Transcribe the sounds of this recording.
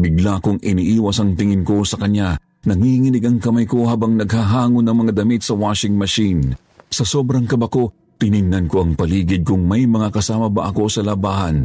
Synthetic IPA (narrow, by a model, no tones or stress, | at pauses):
bɪɡlakoŋʔɪniːʔiːwɐsɐŋt̪ɪŋɪnko̞sɐkɐɲa | nɐŋihŋɪnɪɡɐŋkɐmajko̞haːbɐŋnɐɡhaɦaːŋʊnːɐŋmɐŋad̪ɐmit̪̚sɐwaːʃɪŋmɐʃin | sɐso̞ːbɾɐŋkɐbako̞ | t̪ɪnɪnːɐnko̞ʔɐŋpɐliːɡɪd̪̚kʊŋmɐjmɐŋakɐsaːmɐbɐ̰ʔɐko̞sɐlɐbaːhɐn